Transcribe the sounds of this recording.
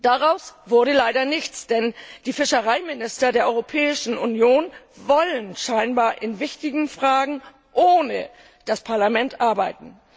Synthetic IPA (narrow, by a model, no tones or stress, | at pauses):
d̥aʁaʊsv̥ʊɐɾəlaɪɾɐnɪçt͡sd̥ɛnd̥iːfɪʃəʁ̞aɪmɪnɪstɐdeːɐɔʏʁopʰɛːɪʃn̩ʔunjoːn | vɔlənʃaɪnbaːɐʔɪnvɪçtɪɡŋ̩fʁ̥aːɡŋ̩ | ʔoːnə̰ | d̥aspʰaɐlamɛntʔaɐbaɪtn̩